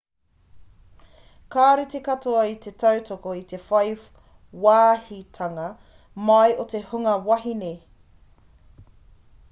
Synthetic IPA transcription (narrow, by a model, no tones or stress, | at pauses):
kaːɾit̪ekɐtʰoɐit̪e̞tʰɐwtʰokoit̪e̞fɐjf | waːhitʰɐŋɐ | mɐjot̪e̞huŋɐwɐɦine